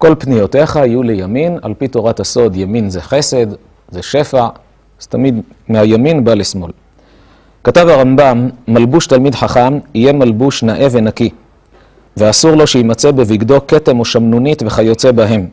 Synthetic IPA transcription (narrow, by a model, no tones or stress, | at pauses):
ko̞lpnijo̞te̞χaijule̞jamina̰lpito̞ʁathaso̞djaminzeχe̞se̞d | zeʃe̞faʕ | z̥etamid̪ | mehajaminbalesmo̞̰l | katavhaʁambamːalbuʃtalmidħaχamije̞malbuʃnaʔe̞venaki | veasuʁlo̞ʃeimat͡se̞beviɡdo̞ke̞te̞moʃamnunitve̞χajo̞t͡se̞baɦe̞m